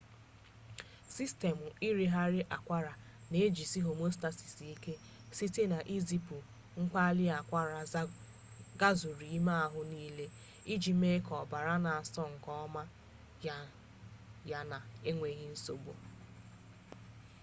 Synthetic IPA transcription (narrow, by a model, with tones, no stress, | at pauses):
si˦ste˨mʊ˨i˦ɾi˦ɦa˦ɾɪ˦ʔa˨kʷa˦ɾa˨ | ne˨e˦d͡ʒi˨si˦ɦo˨mo˦sta˦si̥˨si˨i˦ke˦ | si˦te˦na˨ʔi˦zi˨pu˨ | ŋ̩˦k͡pa˦lɪ˦a˨kʷa˦ɾa˨˦ | ɡa˦zʊ˨ɾi˨i˦ma˦a˦ɦʊ˦niː˦le˦ | i˦d͡ʒi˨me˦kɔ˨ba˨ɾa˦na˨a˨sɔ˦ŋ̩˨kɔ˦ma˦ | ja˦na˨e˦ŋʷe˨˦ɣi˦n̩˦so˨bo̰˨